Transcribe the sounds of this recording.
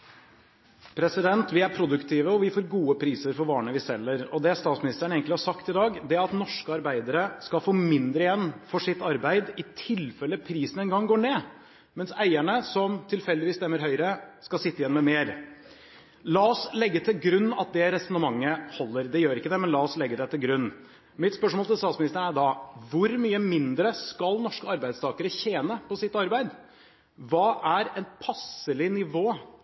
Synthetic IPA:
pʰɾɛsɪd̪ɛnt̪ʋɪæɾpʰɾʊd̪ʉkt̪ʰiːʋəɔʋɪfoːɾɡuːəpʰɾiːsəɾfɔɾʋɑːɳəʋɪsɛlːəɾɔd̪ɛst̪ɑːt̪smɪnɪst̪əɾɳneːɡəŋt̪lɪhɑʂɑkt̪ɪd̪ɑːɡd̪ɛæɾɑt̪nɔʂkəɑɾbæɪd̪əɾəskɑfoːmɪnd̪ɾəɪjɛnːfɔʂɪt̪ːɑɾbæɪd̪ɪt̪ʰɪlfɛlːəpʰɾiːsnɛnɡɑŋːɡoːɳeː | mɛnsæɪæɳəsɔmt̪ʰɪlfɛld̪ɪʋiːst̪ɛmːəɾɦœʏɾəskɑsɪt̪ːəɪjɛnmɛmeːɾ | lɑɔslɛɡːət̪ʰɪlɡɾʉnːɑ̰t̪̚d̪ɛɾɛsɔnəmɑŋːəhɔlːəɾd̪ɛjøːɾɪkːəd̪ɛmɛnlɑːɔslɛɡːəd̪ɛt̪ɪlɡɾʉnː | mɪt̪spœʂmoːlt̪ʰɛst̪ɑːt̪smɪnɪst̪əɳæd̪ɑʋʊɾmyːəmɪnd̪ɾəskɑlnɔʂkəɑɾbæɪd̪st̪ɑːkəɾəçeːnəpɔsɪt̪ːɑɾbæɪd̪ | ʋɑːʔæɾɛnpʰɑsəlɪnɪʋoː

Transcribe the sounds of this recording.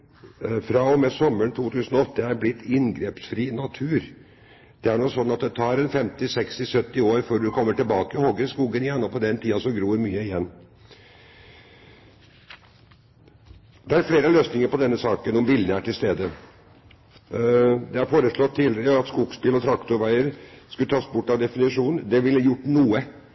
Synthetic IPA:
fɾɑɔmɛsɔmːəɳt̪ʰuːt̪ʰʉːsənɔɔt̪ːəæɾblɪt̪ːɪnɡɾeːpsfɾiːnɑt̪ʰʉːɾ | d̪̥ɛæɳɔsɔnːɑt̪̚d̪ɛt̪ʰɑːɾɛnfɛmt̪ɪsɛkst̪ɪsœt̪ːɪoːɾfœɖʉkʰɔmːəʈɪlbɑːkəhɔɡəskuːɡənɪjɛnːɔpɔd̪ɛnt̪ʰiːɑsɔɡɾuːɾmyːəɪjɛnː | d̪ɛæɾfleːɾəløːsnɪŋəɾpɔd̪ɛnːəsɑːkənɔmʋɪlnəæʈʰɪlst̪eːd̪ə | d̪ɛæɾfoːɾəʂɭɔt̪ʰːɪld̪ɑt̪skuːɡspɪlɔt̪ʰɾɑkt̪ʊɾʋæɪəɾskʉlt̪ʰɑːsbʊʈːɑʋd̪ɛfɪnɪʂuːnnd̪ɛʋɪljʊʈːnuːə

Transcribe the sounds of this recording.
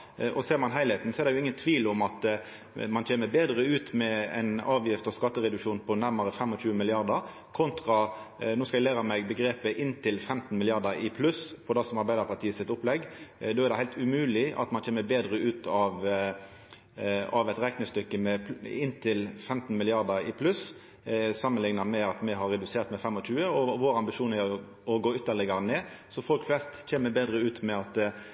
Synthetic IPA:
ʔɔseːɾmɑnɦæɪlɛt̪n̩sɔɛɾd̪ɛjʊɪŋːənt̪ʰʋiːlʊmɑt̪ | mɑnt͡ʃʰeːməbeːd̪ɾəʉːt̪mɛɛ̰ɪnɑːʋjɪft̪ɔskɑt̪ːəʁɛd̪ʉkʂuːnpʰɔnæɾməɾəfɛmːɔt͡ʃʉːəmɪlɪɑʁd̪əɾ | kʰʊnt̪ʁɑ | noːskɑɛɡlæːɾɑmɛɡbəɡɾeːpəʔɪnːt̪ʰɪlfɛmt̪n̩mɪlɪɑʁd̪əɪpʰlʉspʰɔd̪æsɔmɑɾbæɪd̪əɾpʰɑʈ̪ʰiːəsɪt̪ʊplɛɡːd̪oːæɾd̪ɛhæɪlt̪ʉmʉːlɪʔɑ̰t̪mɑnt͡ʃʰeːməbeːd̪ɾəʉːt̪ʰɑʋ | ɑʋɛt̪ɾɛknəst̪ʏkːəmɛɪnːt̪ʰɪlfɛmt̪n̩mɪlɪɑʁd̪əɾɪpʰlʉs | sɑmːənlɪŋnɑmɛɑt̪mɛɦɑɾɛd̪ʉseːɾt̪mɛfɛmːɔc͡çʉːəɔʋoːɾɑmbɪʃuːnæ | ɔɡoːʏt̪ːəɭɪɡɑɾəneːsɔfɔlkflɛst̪c͡çeːməbeːd̪ɾəʉːt̪mɛɑt̪

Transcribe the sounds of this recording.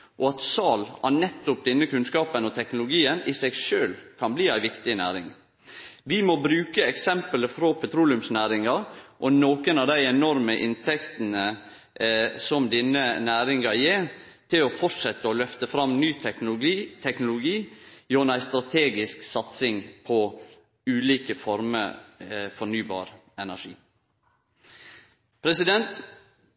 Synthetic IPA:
ʔɔɑt̪sɑːlænɛt̪ːʊp̚d̪ɛnːəkʉnskɑːpənɔt̪ʰɛknʊlʊɡiːənɪsɛɡʂøːlkʰɑnbliːæɪʋɪkt̪ɪnæ̰ːɾɪ̰ŋ | ʋɪmɔbɾʉːkəɛksɛmpələfɾɔpʰɛt̪ʰɾuːlɪʉmsnæːɾɪŋɑɾʔɔnoːkənɑʋd̪æɪɛnɔɾməʔɪ̰nt̪ʰɛkt̪ən̩ə | sɔmd̪ɪnːənæːɾɪŋɑjeːɾ | t̪ʰɪlɔfɔʈʂɛt̪ːəɔlœft̪əfɾɑmnyː | t̪ʰɛknʊlʊɡiːjonæɪst̪ɾɑt̪ʰeːɡɪsksɑt̪sɪŋpʰɔ | ʉːliːkəfɔɾmə̰ | fɔɳyːbɑ̰ːɾ | ɛnæʂḭː | pʰɾɛsɪd̪ɛnt̪

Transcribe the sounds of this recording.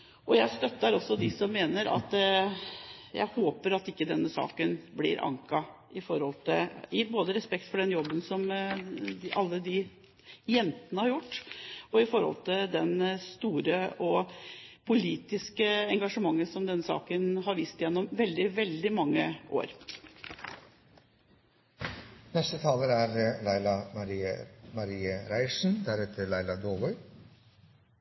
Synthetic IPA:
ʔɔjæɪst̪œt̪ːəɾɔsːɔd̪ɪsɔmːeːnəɾɑ̰t̪ | jæ̰ɪhoːpəɾɑt̪ɪkːəd̪ɛnːəsɑ̰ːkənblɪ̰ɾʔɑ̰ŋkɑ | ɪfɔɾhɔlt̪ʰɪɪboːd̪əɾɛspɛk̚t̪fɔɖɛnjɔbːənsɔm | ɑlːəd̪ɪ | jɛnt̪ənəhɑɾjʊʈːɔɪfɔɾhɔ̰lt̪ʰɪld̪ɛnst̪uːɾəɔpʰʊliːt̪ɪskəɛŋɡɑʂəmɑŋːənsɔmd̪ɛnːəsɑ̰ːkənɦɑɾʋiːst̪ɪjɛnːɔmʋɛld̪ɪʋɛld̪ɪmɑŋːəʔo̰ːɾ | nɛst̪ət̪ʰɑːləɾæɾlæɪlɑmɑɾiːə̰mɑɾiːəɾæɪʂn̩d̪æɾɛt̪ʰəɭæɪlɑd̪oːbɔʏ

